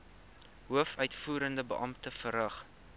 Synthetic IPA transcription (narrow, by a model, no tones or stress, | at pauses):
ɦuəfœɥtfuːɾəndəbə̰ʔɐmtəfəɾəχ